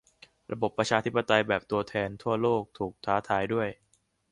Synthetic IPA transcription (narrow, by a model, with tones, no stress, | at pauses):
ɾʔa˧bo˨˩pːɾa˧t͡ɕʰaː˧t̪ʰi˦˥pːa˧t̪a˧jbɛː˨˩p̚t̪u˧ɐt̪ʰɛː˧nt̪ʰu˥˩ɐəloː˥˩k̚t̪ʰuː˨˩k̚t̪ʰaː˩˦˥t̪ʰaː˩˦jdu˥˩əj